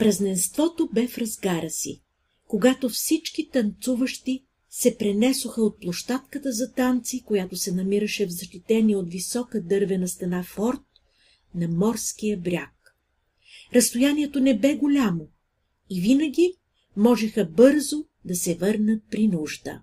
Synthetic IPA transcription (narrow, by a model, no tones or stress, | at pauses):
pɾɐznɛnst̪vɔt̪obɛfɾɐzɡaɾɐsḭ | koɡat̪ofsit͡ʃk̟it̪ɐnt̪suvəʃt̪i | sɛpɾɛnɛsoxəot̪̚plˠoʃt̪at̪kət̪əzɐt̪ant̪sikojat̪osɛnɐmiɾəʃɛvzɐʃt̪it̪ɛniot̪visɔkəd̪ɤɾvɛnɐst̪ɐnafɔɾt̪̚ | nɐmɔɾsk̟ijəbɾʲak | ɾɐst̪ojaniɛt̪onɛbɛɡolʲamo | ivinəɡ̟ʲi | mɔʒɛxəbɤɾzo | d̪ɐsɛvɤɾnət̪̚pɾinuʒd̪ə̰